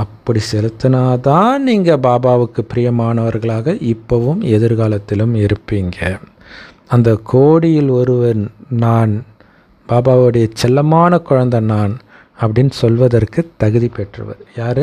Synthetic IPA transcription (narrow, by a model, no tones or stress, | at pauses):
ɐpːɐɽisɛlɯt̪ːɯnaːt̪ãːniːŋɡɐbaːbaːʋɯkːɯpɪɾɪjɐmaːnɐʋɐɾɣɐɭaːɣɐʔɪpːɐʋɯmɛðɪɾɣaːlɐt̪ːɪlɯmɪɾɯpːiːŋɡɐ | ɐnd̪ɐkʰoːɽɪjɪlɔɾɯʋɐɾnaːn | b̥aːbaːʋɯɽɐjɐt͡ʃːɛlːɐmaːnɐkʊɻɐnd̪ɐnaːn | ɐpːɐɽɪnːsɔlʋɐðɐrkɯt̪ːɐɣɯðipɛʈrɯ̰ʋɐ̰ðɯjaːɾɯ